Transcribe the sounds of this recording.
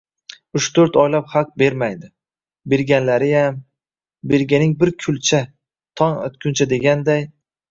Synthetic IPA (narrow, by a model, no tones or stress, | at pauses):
ʊʃt̪ʰoɾt̪ɒjlaphaq̚be̞ɾmajd̪ɪ | be̞ɾɡʲanlaɾɪjam | be̞ɾɡʲanɪŋbɪɾkʲʰʊlt͡ʃʰa | t̪ʰɒno̰t̪kʲʰʊnt͡ʃʰad̪e̞ɡʲand̪aj